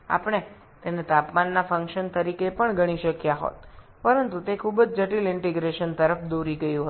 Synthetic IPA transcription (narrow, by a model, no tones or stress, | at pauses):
a̰pəɽ̃e | t̪enet̪apmanːafə̃ŋkʃənt̪əɾikepəɳɡʱəɽ̃iʃəkjaɦo̰t̪̚ | pəɾənt̪ut̪ekʰubəd͡ʒd͡ʒəʈilɪɳʈeɡɾeʃənt̪əɾəfd̪oɾiɡəjũɦə